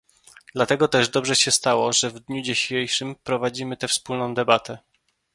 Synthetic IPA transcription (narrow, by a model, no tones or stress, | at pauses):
d̪lat̪ɛɡɔt̪ɛʐd̪ɔbʐɛɕɛst̪awɔʐɛvd̪ɲud͡ʑiɕejʂɘmpɾɔvad͡ʑimɘt̪ɛfspulnɔ̃w̃d̪ɛbat̪ɛ